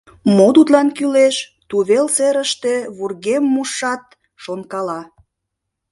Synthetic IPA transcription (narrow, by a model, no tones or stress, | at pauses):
mot̪ut̪lɑnkyleʃt̪uβelseɾəʃt̪e̽βurɣemːuʃɑt̪̚ | ʃonkɑlɑ